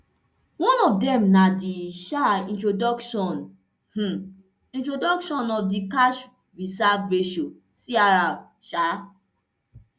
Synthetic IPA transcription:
wɔ̃nɔfdɛmnadiʃaĩntɹodɔkʃɔ̃n | h̩ | ĩntɹodɔkʃɔ̃nɔfdikaʃ | ɹisabveʃɔ̃ | siaɾab | ʃa

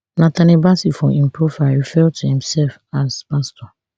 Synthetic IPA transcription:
nãtanibasifɔ̃ĩmpʰɹofaɪfɛltʰuhĩmsɛlfaspastɔ

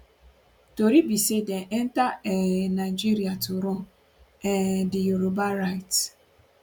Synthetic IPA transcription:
toɾibisedeʔen̩taɛnaɪd͡ʒiɾiatʊɾʊ | ɛdɪjoɾobaɾaɪt

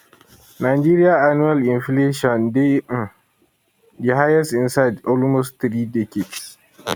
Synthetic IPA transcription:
naːd͡ʒeːɾɪjaːʔanuːalʔɪnɸleːʃɔndem | diɦajasɪnsajdʔɔlmostt̪ɾiːdɛkeds

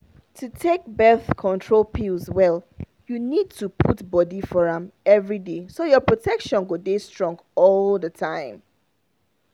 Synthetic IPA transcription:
tʰutʰek̚bɛθkʰɔ̃ntʰɹolˠpʰilzwɛl | junid̚tʰupʰutbɔdifɔɹãmɛvɹidesojɔpɹotʰɛkʃɔ̃nɡodestɹɔ̃ŋɡɔlðətʰãɪ̃m

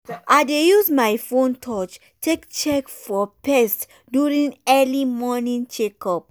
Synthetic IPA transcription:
ʔadejusmajfõntʰɔt͡ʃ | tʰekt͡ʃɛkfɔpɛst | djuɹĩŋɛlimɔnĩŋt͡ʃekɔp̚

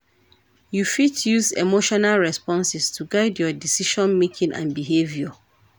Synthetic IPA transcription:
jufitʰjuzḛmoʃɔnalɹɛspɔ̃nsɪstʰuɡaɪdjɔdisiʃɔ̃nmekʰĩŋʔã̰nbiɦevjɔ

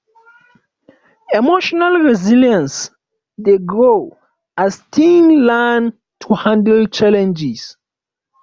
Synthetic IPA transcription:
emoʃɔnalɹɛziljãns | deɡɹo | astʰĩnlãn | tʰuhãndlt͡ʃalɛ̃nd͡ʒis

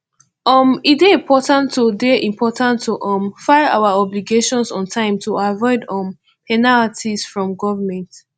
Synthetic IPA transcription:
ɔmideĩmpʰɔtãntːodeʔĩmpʰɔtãntʰːoʔɔ̃mfaɪa̰waɔbliɡeʃɔ̃nsɔ̃ntʰãɪ̃mtʰuavɔɪdɔ̃m | pɛnaltʰisfɹɔ̃mɡɔvəmɛ̃nt

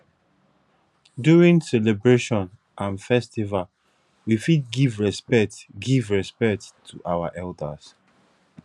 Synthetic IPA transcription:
duɹĩŋsɛlebɹeʃɔ̃n | ʔãnfɛstival | wifid̚ɡivɹɛspɛk̚tɡivɹɛspɛk̚ttʰːuʔawaʔɛlda̰s

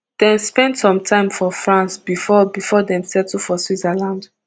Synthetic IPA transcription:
d̥ɛ̃nspɛ̃ndsɔ̃mtʰãɪ̃mfɔfɹãnsb̥ifɔbifɔdɛ̃nsɛtfɔswizəlãnd

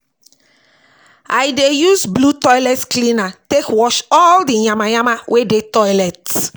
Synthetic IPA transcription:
ajdejuzblutɔjlɛtklĩnatekwɔʃɔldijãmãjãmãwʔedetɔjlɛt

